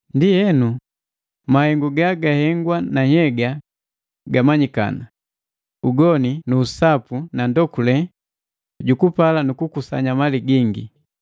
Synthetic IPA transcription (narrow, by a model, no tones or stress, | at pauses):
ndijɛnu | mahɛŋɡuɡaɡahɛŋɡwanaɲhɛɡa | ɡamaɲika̰na | uɡɔninuːsapunandɔkulɛ | ɟukupalanukukusa̰ɲamaliɡiŋɡḭ